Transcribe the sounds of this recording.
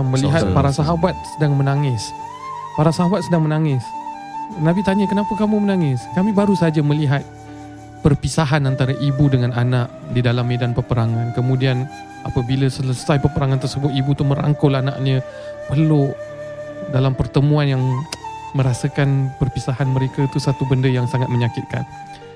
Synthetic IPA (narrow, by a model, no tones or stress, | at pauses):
məliɦat̪paɾasaɦabat̪̚sədaŋmənaŋɪs | paɾasaɦabat̪̚sədaŋmənaŋɪs | nabit̪aɲəkənapakamumənaŋɪskamĩbaɾusaad͡ʒaməliɦat̪̚ | pərpisaɦanant̪aɾaʔibudəŋananaʔ | didalamːedanpərpəɾaŋankəmũdian | apəbilasələsajpərpəɾaŋant̪ərsəbʊt̪ibut̪uməɾa̰ŋkʊlana̰ʔɲə | pərlʊʔ | dalampərt̪əmũanjaŋməɾasəkanpərpisaɦanməɾekat̪usat̪ubəndəjaŋsaŋat̪̚məɲakɪt̪̚ka̰n